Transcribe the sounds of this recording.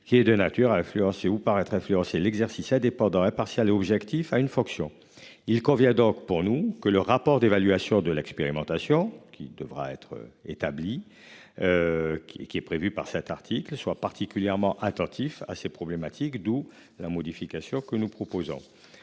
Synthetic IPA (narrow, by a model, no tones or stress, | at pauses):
kʲiɛd̪ənat̪yʁaɛ̃flyɑ̃seupaʁɛt̪χɛ̃flyɑ̃selɛɡzɛʁsisɛ̃d̪epɑ̃d̪ɑ̃ɛ̃paʁsjaleɔbʒɛkt̪ifaynfɔ̃ksjɔ̃ | ilkɔ̃vjɛ̃d̪ɔ̃kpuʁnukələʁapɔʁd̪evalyasjɔ̃d̪əlɛkspeʁimɑ̃t̪asjɔ̃kʲʰḭd̪əvʁa̰ɛ̰t̪χə̰et̪abli | ḛkʲiɛpχevypaʁsɛt̪aʁt̪ʰiklswapaʁt̪ikʲyljɛʁmɑ̃ʔat̪ɑ̃t̪ʰifa̰sepχɔblemat̪ʰikd̪u | lamɔd̪ifikasjɔ̃kənupχɔpozɔ̰̃